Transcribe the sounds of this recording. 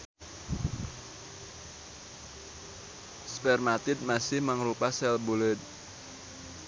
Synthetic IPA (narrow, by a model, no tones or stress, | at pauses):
spɛrmat̪ɪt̪̚masɪhmaŋrupasɛlbulət̪̚